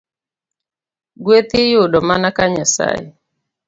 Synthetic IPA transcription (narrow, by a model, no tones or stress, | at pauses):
ɡwet̪ɪjʊdɔmanakaɲasa̰je